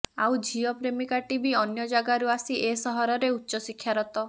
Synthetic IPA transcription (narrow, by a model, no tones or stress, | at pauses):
a̰wd͡ʒijɔpɾemikaʈibiɔnjɔd͡ʒaɡaɾuasiʔesɔɦɔɾɔɾeutːʃɔsikʰjaɾɔt̪ɔ